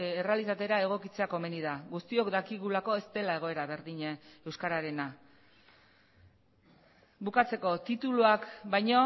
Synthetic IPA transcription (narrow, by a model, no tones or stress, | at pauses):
ere̞alisat̪e̞ɾae̞ɣ̞o̞kit͡se̞ako̞me̞nið̞aɣust̪io̞kd̪akiɣulako̞e̞st̪e̞lae̞ɣ̞o̞e̞ɾaβe̞ɾðiɲee̞wskaɾaɾe̞na | bukat͡se̞ko̞t̪it̪uluakbajɲo̞